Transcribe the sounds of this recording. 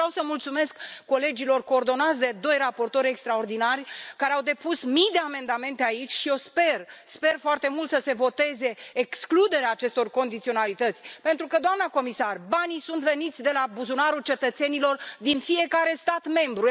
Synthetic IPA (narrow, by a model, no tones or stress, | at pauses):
awsəmult̪sume̞skːo̞le̞d͡ʒilo̞rko̞ːrd̪o̞nat̪sʲd̪e̞d̪o̞jrapo̞rt̪o̞ɾʲekst̪ɾaord̪inarʲkaɾeawd̪e̞pusmijd̪e̞ame̞nd̪ame̞nt̪eait͡ʃʲʃio̞spe̞rspe̞rfoart̪e̞mult̪səse̞vo̞t̪e̞ze̞ːksklud̪e̞ɾeaːt͡ʃe̞st̪o̞rko̞nd̪it̪sio̞nalit̪ət̪sʲpe̞nt̪ɾukəd̪oamnəko̞misarbanisunt̪ve̞nit̪sʲd̪e̞labuzunaɾut͡ʃe̞t̪ət̪se̞nilo̞rd̪infije̞kaɾe̞st̪at̪me̞mbɾu